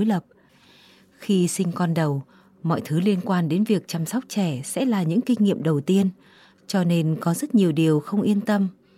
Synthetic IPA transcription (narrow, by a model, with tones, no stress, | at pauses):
o˨˦jlə˨˩p̚ | xi˧sï˧ŋ̟kɔ˧nɗə˨˩w | mɔ̰˧˨jt̪ʰɨ˨˦li˧ənkwaː˧nɗe˨˦nvi˨˩ək̚t͡ɕa˧msa˦˥wk͡p̚t͡ɕɛ˧˩sɛ̰˧˥laː˨˩ɲɨ̰˧˥ŋkï˧ŋ̟ːḭ˧˨əmɗə˨˩wt̪i˧ən | t͡ɕɔ˧ne˧nkɔ˨˦zə˦˥t̚ɲi˨˩əwɗi˨˩əwxə˧wŋ͡mʔi˧ənt̪ə˧m